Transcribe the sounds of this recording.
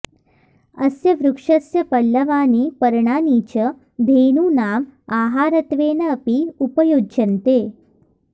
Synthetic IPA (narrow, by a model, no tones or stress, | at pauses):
ɐsjɐʋɾukʂɐsjɐpɐɭːɐʋaːniːpɐɾɳaːniːt͡ʃɐ | b̪ʱeːɳuːnaːmaːɦaːɾɐt̪ʋeːnɐːpiupɐjoːdd͡ʒɐnt̪eː